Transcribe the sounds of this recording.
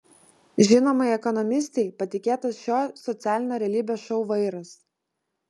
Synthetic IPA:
ʒʲɪnoːmɐɪɛkɔnɔmʲɪsʲt̪ʲɛɪpɐt̪ʲɪkʲeːt̪ɐsʃʲoːsɔt̪sʲæːlʲɪnʲoːɾʲɛlʲiːbʲeːʃɔʊʋɐɪɾɐs

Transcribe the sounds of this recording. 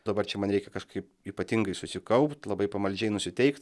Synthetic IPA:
d̪ɐbɐrt͡ʃʲɛmɐnɾʲɛɪkʲɛkɐʃkɐɪp | iːpɐt̪ʲɪŋɡɐɪsʊsʲɪkɐʊpt̪lˠɐbɐɪpɐmɐlʲd͡ʒʲɛɪnʊsʲɪt̪ʲɛɪkt̪

